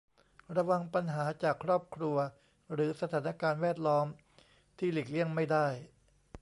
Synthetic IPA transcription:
ɾa˧wa˧ŋpa˧nɦaː˩˦t͡ɕaː˨˩kʰːɾɔː˥˩p̚kʰɾu˧ɐ | ɾɯː˩˦sa˧t̪ʰaː˩˦na˧kaː˧nwɛː˥˩t̪̚lɔː˦˥m | t̪ʰiː˥˩leː˨˩k̚li˥˩əŋma˥˩jdaː˥˩j

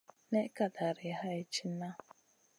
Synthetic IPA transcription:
ne˦ka˨da˨ɾɪ˨ha˦e˦t͡ʃi˦na˦

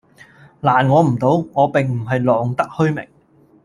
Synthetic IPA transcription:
laː˨˩nŋɔː˨˧m̩˨˩t̪o˨˧˥wŋɔː˨˧pɪ˨ŋm̩˨˩ɦɐ˨jlɔː˨ŋt̪ɐ˥k̚hɵ˥ɥmɪ̰˨˩ŋ

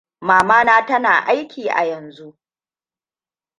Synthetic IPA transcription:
maː˨maː˦naː˦tɐ˦naː˨ʔa˦jkʲiː˨ʔa̰˨jɐ˨nzu˦ʔ

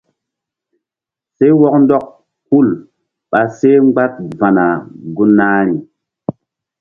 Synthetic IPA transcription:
se˦wɔ˦k̚ndɔ˦k̚ | hu˦˨l | ɓa˨se˦ŋ͡mɡ͡ba˦t̚va˨na˨ɡu˦nːaː˦ɾi˨

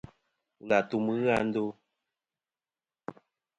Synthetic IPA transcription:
ɣa˨tu˦mɨ˦ɣa˦˨n̩˦do˦

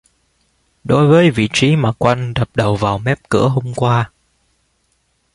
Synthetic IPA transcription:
ɗo˨˦jvəː˨˦jvḭ˧˨t͡ɕi˨˦maː˨˩kwa˧jŋ̟ɗə˨˩p̚ɗə˨˩wvaː˨˩wmɛ˦˥p̚kɨ̰˧˥əɦo˧mkwaː˧

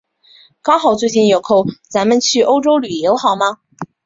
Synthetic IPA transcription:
kɑ˥ʊxɑ˨˩ʊt͡swe˥˧ɪt͡ɕi˥˩njo˨˩ʊkʰo˥˩ʊt͡sa˧˥nmə˨˧nt͡ɕʰy˥˩ʔo˥ʊʈ͡ʂo˥ʊly˨˩jo˧˥xɑ˨˩ʊmɐ˧˩

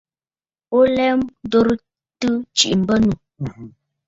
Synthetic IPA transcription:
o˦lɛ˦m˦do˦ɾə˦ | tɨ˦t͡ʃi˨ʔm̩˨bə˦nu˨

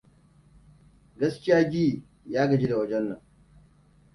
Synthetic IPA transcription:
ɡɐ˦skʲɪ˦jaː˦d͡ʒiː˦ | jaː˦ɡɐ˨d͡ʒi˦da˨wɐ˦d͡ʒɛ˦nːɐ˨ŋ

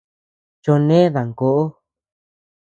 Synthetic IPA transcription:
t͡ʃo˧nẽ˦ða˨ŋko˨ʔo˦

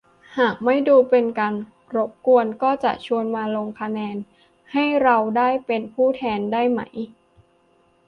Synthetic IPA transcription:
haː˨˩k̚ma˥˩jduː˧pe˧nka˧n | ɾo˦˥p̚ku˧ənkɔː˥˩t͡ɕa̰˨˩ʔt͡ɕʰu˧ənmaː˧lo˧ŋkʰa˧nɛː˧n | ha˥˩jɾa˧wdaː˥˩jpe˧npʰuː˥˩t̪ʰɛː˧ndaː˥˩jma̰˦j

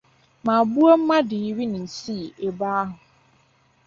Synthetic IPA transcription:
mã˨bu˦a˦m̩˦mã˦dɪ˨ɾi˦nɪ̃˨n̩˨si˦˨e˨baː˦ɦʊ̃˨

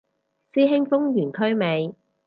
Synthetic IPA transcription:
siː˥ɦɪ˥ŋfʊ˥ŋjyː˨˩nkʰɵ˥ɥme˨˧j

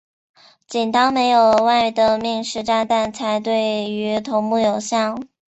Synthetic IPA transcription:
t͡ɕi˨˩nt̪ɑ˥ŋme˧˥ɪjo˨˩ʊwa˥˩ɪ˥˩d̪ə˧˩mi˥˧ŋʂɻ̩˥˧ʈ͡ʂa˥˧nt̪a˥˩˧nt͡sʰa˧˥ɪt̪we˥˩ɪy˧˥t̪ʰʊ˧˥ŋmu˥˩jo˨˩ʊɕjɑ˥˩ŋ

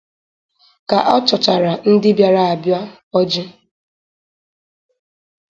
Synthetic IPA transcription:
ka˨ʔɔ˦t͡ʃɔ˨t͡ʃa˨ɾa˨n̩˦dɪ˦bja˨ɾa˨a˨bja˦ | ɔ˦d͡ʒi˦

